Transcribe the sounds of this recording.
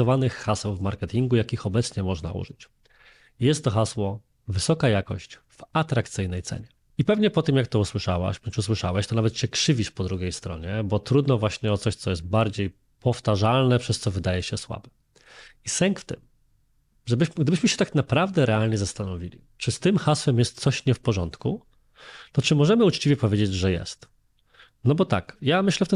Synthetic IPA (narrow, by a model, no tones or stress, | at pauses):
ɔvanɘxːasɛwvmaɾkɛt̪ʲiŋɡujakʲixɔbɛt̪sɲɛmɔʐna̰ʔṵʐɘt͡ɕ | jɛst̪ːɔxaswɔ | vɘsɔkajakɔ̰ɕt͡ɕ | v̥at̪ɾak̚t̪sɘjnɛjt̪sɛ̰ɲɛ | ipɛvɲɛpɔt̪ɘmjakt̪ɔuswɘʂawa̰ɕbɔnt͡ʂus̬wɘʂawɛɕt̪ɔnavɛt̪ɕɛkʂɘvʲiʂpɔd̪ɾuɡʲejst̪ɾɔ̰ɲɛbɔt̪ɾud̪nɔvwaɕɲɛɔt̪sɔɕt̪sɔjɛst̪̚baɾd͡ʑej | pɔft̪aʐalnɛpʂɛst̪sɔvɘd̪ajɛɕɛswa̰bɛ | isɛŋkft̪ɘ̰m | ʐɛbɘɕmɡd̪ɘbɘɕmɘɕɛ̥t̪aknapɾavd̪ɛɾʔɛalɲɛzast̪anɔvʲilʲḭ | t͡ʂɘst̪ɘmxaswɛmjɛst̪t̪sɔɕɲɛfpɔʐɔnt̪ku | t̪ɔt͡ʂɘmɔʐɛmɘut͡ʂt͡ɕivʲjɛpɔvʲjed͡ʑed͡ʑʐɛjɛ̰st̪ | nɔbɔt̪a̰kjamɘɕlɛft̪ɛ